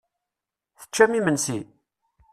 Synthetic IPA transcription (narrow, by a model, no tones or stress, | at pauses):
θə̥t͡ʃːæmimənsi